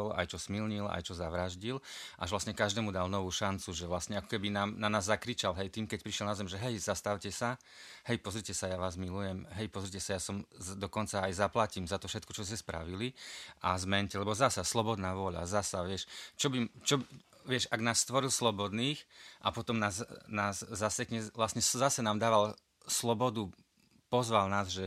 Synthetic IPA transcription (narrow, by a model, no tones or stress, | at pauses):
ɔla̰jt͡ʃɔsmilɲila̰jt͡ʃɔzaʋɾaʒɟilʔaʒʋlasɲɛkaʒd̪ɛːmud̪alnɔʋuːʃant͡suʒɛʋlastɲɛakɔ̥kɛbinaːmnanaːzːakɾit͡ʃalɦɛjt̪iːmkɛc̚pɾiʃjɛlnazɛmʒɛɦɛjzast̪aʊcɛsa | hɛjpɔzɾicɛsajaʋaːzmilujɛmɦɛjpɔzɾicɛsajasɔmd̪ɔkɔnt͡saːjzaplaciːmzat̪ɔfʃɛt̪̚kɔt͡ʃɔscɛspɾa̰ʋiliʔazmɛɲcɛlɛbɔzasaslɔbɔd̪naːʋʊɔʎa̰zasaʋɪɛʃt͡ʃɔbit͡ʃɔ | ʋɪɛʃaɡnaːsːt̪ʋɔɾilslɔbɔd̪niːxʔapɔt̪ɔmnaːznaːsːasɛkɲɛʋlasɲɛzasɛnaːmd̪aːʋal | slɔbɔd̪u | pɔzʋalnaːzʒɛ